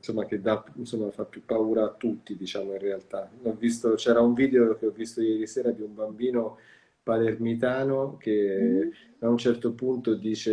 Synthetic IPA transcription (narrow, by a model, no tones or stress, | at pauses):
nsomːak̟ed̪ansomːafapːjupːauːɾaːt̪ːut̪ːid̪it͡ʃaːmoinrealt̪anɔvːist̪ot͡ʃɛːɾauɱviːd̪eok̟eɔvːist̪ojɛːɾisɛːɾad̪iumbambiːno | palermit̪aːnok̟e | aunt͡ʃɛrt̪opunt̪od̪iːt͡ʃe